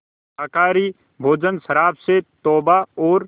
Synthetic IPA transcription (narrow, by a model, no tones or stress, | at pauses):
aːkaːɾi | bʱoːd͡ʒənsəɾaːbset̪ɔːbaɔːɾ